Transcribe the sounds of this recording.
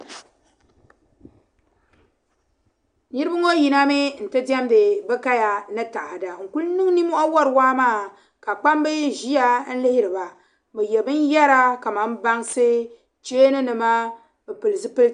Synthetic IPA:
ni˦ɾɨ˦bɨ˦ŋo˦ji˨na˦mɪ˦n̩˨tɨ˦da˦m˦be˨bɨ˦ka˦ja˨nɨ˦ta˨ʔa˨da˨ŋ̩˨ku˦lnɨ˦ŋ˦ni˦mu˦ʔa˦wɔ˦ɾɨ˨waː˦maː˦˨ | ka˨k͡pa˦mbɨ˦ʒi˦a˦n̩˦lɪ˦hɪ˦ɾɨ˨ba˨ | bɨ˨jɛ˨bɨ˦n˦jɛ˦ɾa˦ka˨ma˨˦m˦ba˦ŋsɨ˦ | t͡ʃeː˦nɨ˦nɨ˨ma˦ | bɛ˨pɨ˨lɨ˨zɨ˦pɨ˦l

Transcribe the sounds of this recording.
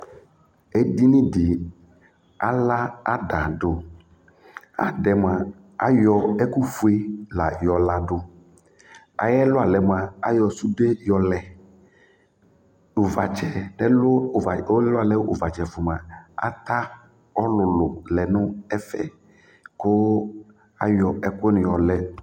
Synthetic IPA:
e˦di˦nɪ̃˦dɪ˨ | a̰˦la˦a˦da˨ɖʊ˨ | a̰˦ɖɛ˨m˨a˨ | a̰˦jɔ˨ɛ˦ku˦fu˦e˦la˨jɔ˨la˨ɖʊ˦ | a̰˨jɛ˦lʊ˦a˨lɛ˨m˨a˨a˦jɔ˨su˦de˦jɔ˨lɛ˨ | ʊ˨va˨t͡ʃɛ˨nɛ˦lʊ˦˨˦lʊ˦a˨lɛ˦wʔʊ˨va˨t͡ʃɛ˨fʊ˨m˨a˨a̰˦t̪a˦ | ɔ˦lʊ˨lʊ˨lɛ˨nʊ̃˦ɛ˦fɛ̰˦ | kʊ˦ | a˦jɔ˨ɛ˦kʊ˦nʊ̃˨jɔ˨lɛ˨

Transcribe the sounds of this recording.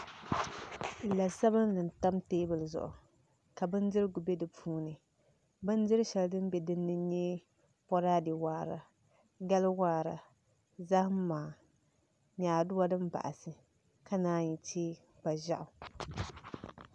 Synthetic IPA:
la˨sa˦bɨ˦nnɨ˨n̩˨ta˦mteː˦bɨ˨lɨ˨zʊ̰˨ʔʊ̰˨ | ka˨bɨ˦ndɨ˦ɾɨ˦ɡʊ˨bɛ˦dɨ˨pʰuː˦nɨ˨ | bɨ˦n˦dɪ˦ɾɨ˦ʃɛ˨ldɨ˦m˦bɛ˨dɨ˦nːɨ˦ɲɛ˦ | pɔ˦ɾaː˦dɪ˨waː˦˨ɾa˨ | ɡa˦lɨ˦waː˦ɾa˨ | za˦hm˦maː˨ | ɲaː˨dʊ˦a˦dɨ˦mba̰˨ʔa̰˨sɨ˨ | ka˦naː˦ɲi˨tʰeː˦ | ba˨ʒa˦˨ʔʊ˨

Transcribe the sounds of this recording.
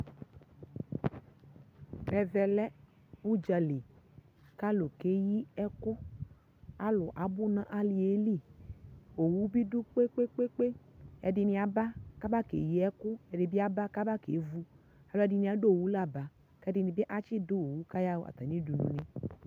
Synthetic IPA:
bɛ˨vɛ˧lɛ˦ | u˦d͡ʒa˨˧li˨ | ka˦lo˨ke˨˦ji˦ɛ˦kʊ˦ | a˦lʊ˨ʔa˨˦bʊ˦nã˦ʔa˦li˨e˦li˦˨ | o˨wu˦bi˦du˦k͡pe˦k͡pe˦k͡pe˦k͡pe˦ | ɛ̰˨dɪ˧nɪ̃˧a˨ba˦ka˦ba˦kḛ˨ji˦ɛ˦kʊ˦ɛ˨dɪ˨bɪ˦a˦ba˦ka˦ba˦kḛ˨˦vu˦ | a˨lʊ˨˦ɛ˨˦dɪ˧nĩ˨˧˨a˨˦do˦˨wu˨˦la˦˨ba˨ | kɛ˦dɪ˧nĩ˨bɪ˦ʔa˦t͡ʃi˦dʊ˦o˨wu˦ka˦ja˦wo̰˦ʔa̰˨t̪a˨nĩ˦du˨nṵ̃˨ni˦

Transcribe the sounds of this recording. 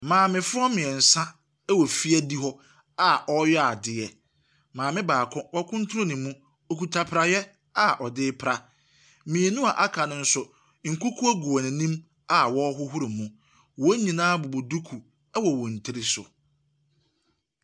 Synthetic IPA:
mãː˨mɪ̃˨fʊ˦ɔ˦mɪ̃˨ɛ˨n̩˨sã˦ | ɛ˦wɔ˨fi˦æ˦di˦ɦɔ˦ | a˨ʔɔ˦jɛ˦a˨dɪ˨jɛ˨ | mãː˨mɪ̃˦baː˨kʰʊ̃˦wɔ˦kʰʊ̃˦n˦tʰʊ˦ɾʊ̃˦nĩ˨mũ˦ | o˨ku˨tʰa˨pʰɾa˨jɛ˦ | a˨ʔɔ˨dɪː˦pʰɾa˦ | mĩ˨e˨nũ˦a˨ʔa˦kʰa˨nʊ̃˨n̩˦sʊ˨ | ŋ̩˨kʰʊ˦kʰu˦æ˦ɡu˨ɔ˨nĩ˨nĩ˦m | a˨wɔ˦ɦʊ˦ɦʊ˦ɾɪ˨mũ˦ | wɔ˨˦ɲĩ˨nãː˦bɔ˨bo˨du˦kʰu˨ | ɛ˦wɔ˨wɔ̃˨n̩˨tʰɪ˦ɾɪ˦sʊ̰˨

